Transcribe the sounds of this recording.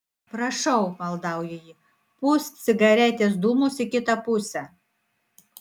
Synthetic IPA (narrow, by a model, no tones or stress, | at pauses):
pɾɐʃɐʊmɐlˠd̪ɑˑʊjɛjɪ | pʊsʲsʲɪɡɐɾʲæt̪ʲeːs̬d̪umʊsɪkʲɪt̪ɐpʊsʲɛ